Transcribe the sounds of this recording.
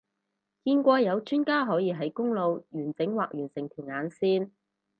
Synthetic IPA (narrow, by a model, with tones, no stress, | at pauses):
kiː˧nkʷɔː˧jɐ˨˧wt͡ʃyː˥nkaː˥ɦɔː˨˥jiː˨˧ɦɐ˨˥jkʊ˥ŋlo˨˧wjyː˨˩nt͡sɪ˨˥ŋwaː˨k̚jyː˨˩nsɪ˨˩ŋt̪ʰyː˨˩nŋaː˨˧nsiː˥n